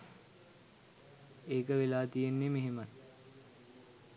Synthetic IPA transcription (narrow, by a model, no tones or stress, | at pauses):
eːkəʋelaːt̪ijenːemeɦemə